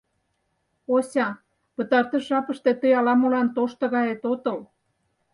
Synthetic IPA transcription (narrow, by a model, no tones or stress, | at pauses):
osʲɑ | pə̆t̪ɑrt̪ə̆ʃɑpə̆ʃt̪et̪əjɑlɑmolɑnt̪oʃt̪ɤ̆ɣɑjet̪ot̪ə̆l